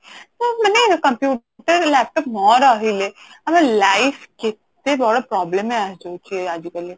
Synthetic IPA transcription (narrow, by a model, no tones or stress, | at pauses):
t̪oːmɛːnekɐ̃mpjuː | ʈəɾlɛːp̚ʈɔpmɔːɾaɦileɐmẽlaːɪfkɪt̪ | ebɔɽapɾɔːbləmɦɛ̃ad͡ʒoːt͡ʃiɛaːd͡ʒikəli